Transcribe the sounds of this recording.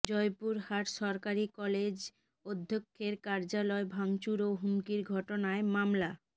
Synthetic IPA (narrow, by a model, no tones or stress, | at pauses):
d͡ʑɔjpuɾhaʈʃɔɾkaɾikɔled͡ʑ | od̪ʱːokʰːeɾkaɾd͡ʑalɔebʱaŋt͡ɕuɾoɦumkiɾɡʱɔʈonaemamla